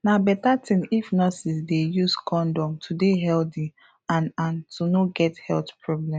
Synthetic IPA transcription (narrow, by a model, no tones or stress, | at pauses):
nabɛtatʰĩnifnɔsisdejuskʰɔ̃ndɔ̃mtʰudeɦɛlti | ãnãntʰunoɡɛthɛltpʰɹɔblɛ̃m